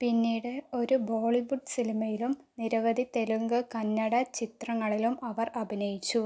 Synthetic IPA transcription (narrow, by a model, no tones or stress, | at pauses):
pinːiːɽɨo̞ɾubo̞ːɭiʋuɖsilimɐjilumniɾɐʋɐd̪it̪e̞luŋɡɨkɐnːɐɽɐt͡ɕit̪rɐŋːɐɭilumɐʋɐrɐbʱinɐjit͡ɕːu